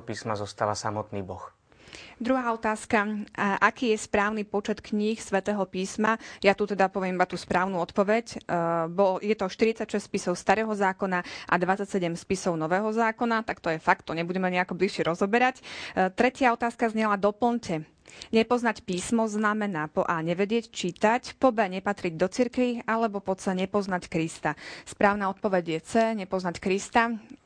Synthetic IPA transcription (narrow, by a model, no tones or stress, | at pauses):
piːsmazɔst̪aʋasamɔt̪niːbɔx | d̪ɾuɦaːɔt̪aːskaʔakiːjɛspɾaːʊnipɔt͡ʃɛt̪kɲixsʋɛt̪ɛːɦɔpiːsmajat̪ut̪ɛd̪apɔʋɪɛmibat̪uːspɾaːʊnuɔt̪pɔʋɛcbɔjɛt̪ɔʃt̪iɾit͡sacʃɛspisɔʊst̪aɾɛːɦɔzaːkɔnaʔa̰d̪ʋat͡sːacsɛɟɛmspisɔʊnɔʋɛːɦɔzaːkɔnat̪akt̪ɔjɛfak̚t̪ːɔɲɛbuɟɛmɛɲɛakɔbliʃɛɾɔzɔbɛɾact̪ɾɛcɪaɔt̪aːskazɲɛlad̪ɔpl̩ncɛ | ɲɛpɔznacpiːsmɔznamɛnaːpɔʔaːɲɛʋɛdɪɛct͡ʃiːt̪acpɔbɛɲɛpat̪ɾiɟd̪ɔt͡siɾkʋialɛbɔpɔt͡sɛɲɛpɔznackɾist̪aspɾaːʊnaːɔt̪̚pɔʋɛɟjɛt͡sɛːɲɛpɔznackɾist̪a